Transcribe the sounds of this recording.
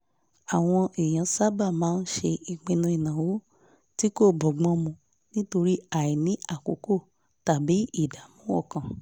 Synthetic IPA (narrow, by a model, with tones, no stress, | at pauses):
a˨w̃ɔ̃˧ʔe˨j̃ã˨˦sa˦ba˦˨mãː˨˦n̩˦ʃe˧i˨ɡ͡bĩ˧nũ˧i˨nã˨wo˨˦ | ti˦ko˦˨bɔ˨ɡ͡bɔ̃˦mũ˧ | nĩ˦to˧ɾi˦a˦˨i˨nĩ˨˦a˦˨ko˨˦ko˦˨ | ta˨bi˨˦i˦˨da˨˦mũ˦wɔ̰˦˨kã˨